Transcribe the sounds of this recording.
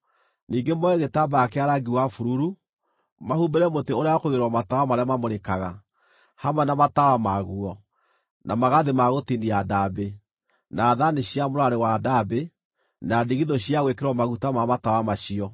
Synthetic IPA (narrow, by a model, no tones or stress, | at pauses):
niːŋɡemɔɛɣetabaːkeaɾaɡiwafuɾuɾu | mahubeɾɛmoteoɾeaɔkoɣeɾwɔmatawamaɾeamamoɾekaɣa | hamwɛnamatawamaɣuɔ | namaɣaðemaɣotiniadabe | naːðaneɕiamoɾaɾewadabe | nadiɣiðoɕiaɣwekeɾwɔmaɣutamamatawamaɕiɔ